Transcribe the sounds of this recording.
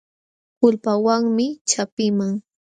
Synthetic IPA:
hʊlpawaŋmɪt͡ʃapɪmaŋ

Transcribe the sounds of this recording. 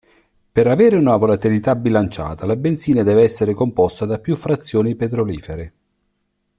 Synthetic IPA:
peɾavɛːɾɪunavolat̪ilit̪abilant͡ʃa̰ːt̪alabent̪siːnad̪ɛːveɛsːeɾekompɔst̪ad̪apːjufːɾat̪sːjoːnipet̪ɾoliːfeɾɪ

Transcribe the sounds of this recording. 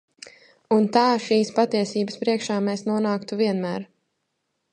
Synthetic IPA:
unt̪aːʃiːspat̪iɛsiːbəspɾiɛkʃaːmeːsnuɔnaːkt̪uviɛnmæːɾ

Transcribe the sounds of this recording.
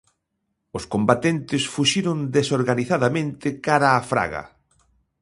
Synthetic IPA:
ʊskombat̪ent̪ɪsfuʃiɾʊnd̪esoɾɣaniθaðamẽnt̪ɪkaɾaːfɾa̰ɣɐ̰

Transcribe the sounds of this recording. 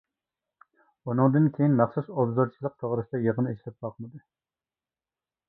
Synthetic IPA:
unɨŋd̪ɨnkʲʰejinmæχsusobzoɾt͡ʃʰilˠəq̚t̪ʰoʁɾɨsd̪ɛjeʁənɨeʃlɛp̚bɑqmɨd̪u

